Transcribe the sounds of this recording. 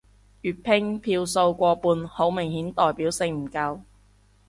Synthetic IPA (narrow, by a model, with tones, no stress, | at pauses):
jyː˨t̚pʰɪ˥ŋpʰiː˧wso˧wkʷɔː˧puː˧nho˨˥wmɪ˨˩ŋhiː˨˥nt̪ɔː˨jpiː˨˥wsɪ˧ŋm̩˨˩kɐ˧w